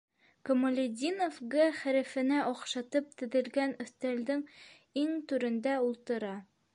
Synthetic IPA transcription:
kŏmŏlʲed̪ʲinofɡɤχæɾɘ̆fɘ̆næʔɒqʃɑt̪ɤp̚t̪ɘ̆ðɘ̆lɡænɵ̆θt̪æld̪ɘŋ | iŋt̪ʉɾɘ̆nd̪æulˠt̪ɤ̆ɾɑ

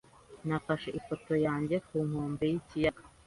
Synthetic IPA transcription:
nafaʃeʔifo̞to̞jaːɲɟe̞kuːŋ̥ho̞ːmbejicijaɡa

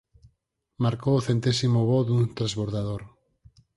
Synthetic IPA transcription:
maɾkoːθent̪esimoβɔd̪unt̪ɾazβoɾðaðoɾ

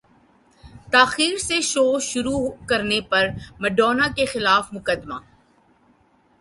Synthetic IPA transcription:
t̪aːxiːɾseʃoːʃʊɾukɐɾnepɐɾmɛɖɔːnakexɪlaːfmʊkəd̪maː

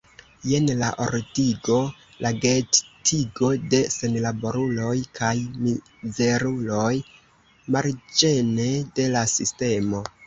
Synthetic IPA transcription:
je̞nla̰ʔo̞̰ɾtiɡo̞ | lʔaɡe̞ttʰiɡo̞de̞se̞nlabo̞ɾulo̞jkʰajmi | ze̞ɾulo̞j | maɾd͡ʒe̞ne̞de̞lasiste̞mo̞

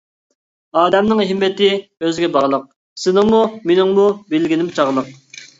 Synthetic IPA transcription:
ɑːd̪ɛmnɪŋɦɪmːɪt̪ɪøzɡʲɛbɑʁlˠəq̚ | sɪnɪŋmumenɪŋmubɪlɡʲilɪmt͡ʃʰɑʁlˠəq̚

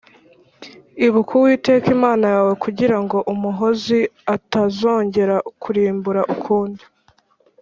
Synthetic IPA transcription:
iβukʰuwiːte̞ːkimaːnajaːwe̞kʰuɟiɾaŋɡo̞ʔumuɦo̞ziatazo̞ːɲɟe̞ɾakʰuɾiːmbuɾaʔukʰuːndi

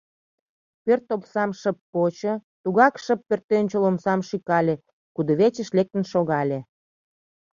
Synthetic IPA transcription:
pørt̪opsɑmʃə̆pːot͡ɕə̆t̪uɣɑkʃəpːørt̪ːønʲt͡ɕəlomsɑmʃikɑlʲe | kud̪oβet͡ɕə̆ʃlek̚t̪ənʃoɣɑlʲe

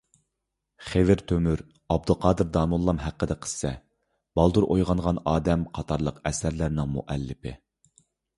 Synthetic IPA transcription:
χevɪɾt̪ʰømyɾ | ɑb̚d̪ulˠqʰɑːd̪ɨɾd̪ɑːmulˠːɑmɦæqːəd̪ɛqʰə̥ssɛ | b̥ɑlˠd̪uɾʔojʁɑŋʁɑnɑːd̪ɛmqʰɑt̪ʰɑɾlˠəqɛsæɾlæɾnɪŋmṵʔɛlːɪpʰɪ̰

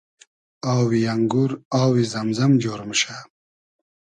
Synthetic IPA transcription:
aːwijɐŋɡuɾaːwizɐmzɐmd͡ʑoːɾmɕa

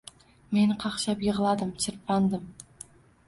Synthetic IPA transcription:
me̞nqʰɑqʃɑpjəʁəlˠɑd̪əmt͡ʃʰɪɾpʰɑnd̪əm

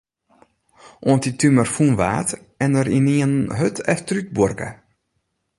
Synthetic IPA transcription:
ʔoəntitymərfunʋa̰ːt | ɛnəɾiniənɦøtʰɛftryt̚bɔrkə̰

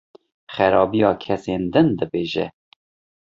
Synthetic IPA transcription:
xɛɾɑːbijɑːkʰɛseːnd̪ɨnd̪ɨbeːʒɛ̰

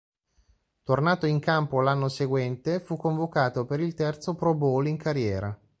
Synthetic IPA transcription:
t̪ornaːt̪oiŋkampolanːoseɡwɛnt̪efukːoɱvokaːt̪opeɾilt̪ɛrt̪sopɾoboliŋkʰaɾjɛːɾa

